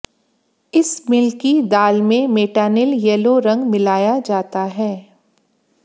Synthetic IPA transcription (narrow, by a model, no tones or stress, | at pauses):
ɪsmɪlkid̪aːlmẽmeːʈaːnɪljɛloɾɐ̃ŋɡmɪlaːjad͡ʒaːt̪aɦɛː